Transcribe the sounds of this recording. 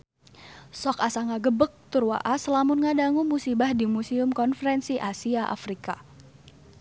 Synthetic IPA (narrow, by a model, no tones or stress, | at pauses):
sɔkasaŋaɡəbək̚t̪ʊrwa̰ʔasəlamʊnŋadaŋumusibahdimusiʊmkɔnfəɾɛnsiʔasiaʔa̰fɾika